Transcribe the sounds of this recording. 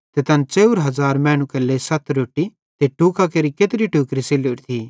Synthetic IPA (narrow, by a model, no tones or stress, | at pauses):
t̪et̪ɐnt͡ʃeːuɾɦɐzaːɾmɛ̃ːɽ̃ũkelesɐt̪ʰɾoːʈːi | t̪eʈuːkakeɾiket̪ɾiʈuːkɾiseloɾt̪ʰiː